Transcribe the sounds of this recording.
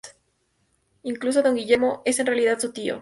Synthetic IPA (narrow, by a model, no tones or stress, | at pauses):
iŋklus̬oðo̞ŋɡiʝeɾmoe̞se̞nrealiðat̪sut̪io̰